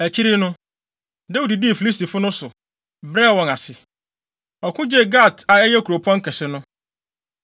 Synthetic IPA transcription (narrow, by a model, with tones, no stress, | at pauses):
æ˨t͡ɕʰi˦ɾi˦nʊ̃˦ | da˦wu˨di˨di˦e˨fi˨li˦s̬ti˨fʊ˦nʊ̃˦sʊ˨ | bɾɛ˦˨wɔ̃˨na˨sɪ˨ | ɔ˨kʰʊ̃˦d͡ʑɛ˦ɡa˦˨tʰa˨ɛ˦ɲɛ˦kʰu˨ɾo˨pʰɔ̃˦ŋ̩˦kʰɛ˨sɪ˦nʊ̃˦